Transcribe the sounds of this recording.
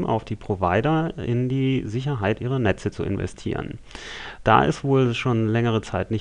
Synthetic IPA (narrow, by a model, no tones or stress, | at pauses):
mʔa̰ʊfd̥iːpʁ̥ovaɪdɐɪ̰ndiːzɪç̬ɐɦaɪtʔiːʁɐnɛt͡sət͡suɪ̰nvɛ̰stʰḭːʁ̞ə̰nd̥a̰ːʔɪ̰stv̥oːlʃoːnlɛŋəʁ̞ət͡saɪtnɪç